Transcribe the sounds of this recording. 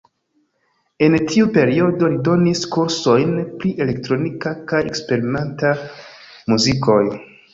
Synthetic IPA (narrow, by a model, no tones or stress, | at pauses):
e̞ntʰiupe̞ɾio̞do̞lido̞niskuɾso̞jnpɾiʔe̞le̞ktɾo̞nikakaje̞̰kspe̞ɾime̞nta | muzikʰo̞j